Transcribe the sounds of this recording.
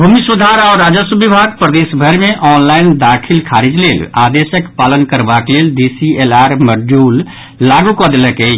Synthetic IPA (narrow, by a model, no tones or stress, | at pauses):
bʱumisud̪ʱaɾɔːɾːaːd͡ʒəsubibʱaɡpɾəd̪esbʱəɾmeʔɔːnlaɪnd̪akʰilkʰaɾid͡ʒlela̰d̪esəkpalənkəɾbakleld̪isielaːɾməɾd͡ʒuːlː | aɡukɔd̪eləkɛt͡ʃ